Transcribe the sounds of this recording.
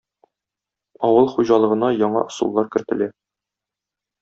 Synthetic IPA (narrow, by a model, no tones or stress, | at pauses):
ɒwɤlˠχuʑɑlˠɤ̆ʁɤ̆nɑjɒɴɑ̰ʔŏsṵlˠːɑɾkɘ̆ɾt̪ɘ̆læ